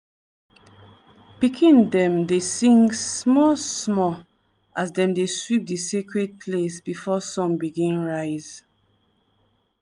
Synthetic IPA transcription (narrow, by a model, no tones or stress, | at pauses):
pikʰĩndɛ̃mdesĩŋsmɔsmɔ | ʔasdɛ̃mdeswip̚disekɹed̚pʰlesbifɔsɔ̃mbiɡĩnɹaɪz